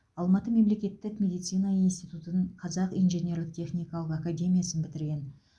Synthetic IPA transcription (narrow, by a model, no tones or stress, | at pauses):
ɑlˠmɑt̪əme̞mle̞kʲe̞t̪ːɪkmʲe̞d̪ijt̪sijnɑinst̪ijt̪ut̪ənəɴqʰɑzɑqinʒenʲe̞ɾlɪk̚t̪ʲʰe̞χnʲijkɑlˠəqakadʲe̞mʲijasənbɪt̪ɪɾɡʲe̞n